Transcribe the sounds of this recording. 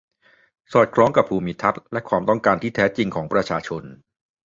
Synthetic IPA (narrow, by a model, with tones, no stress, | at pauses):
sɔː˨˩t̪̚kʰlɔː˦˥ŋka˨˩pʰːuː˧mi˧t̪ʰa˦˥t̪̚lɛ˦˥kʰwaː˧mt̪ɔ˥˩ŋkaː˧nt̪ʰiː˥˩t̪ʰɛː˦˥t͡ɕi˧ŋkʰɔː˩˦ŋpɾa˧t͡ɕʰaː˧t͡ɕʰo˧n